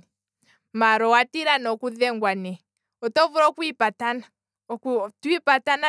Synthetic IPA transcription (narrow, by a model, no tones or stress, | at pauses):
maɾɔwatiɾanɔkuðɛŋɡwanɛ | ɔtɔvuɾɔkwipatan | twipatana